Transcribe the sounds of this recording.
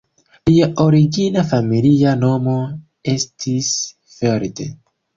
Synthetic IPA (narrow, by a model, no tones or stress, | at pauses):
liaʔoɾiɡinafamiliano̞mo̞ | e̞stʰis | feɾtḛ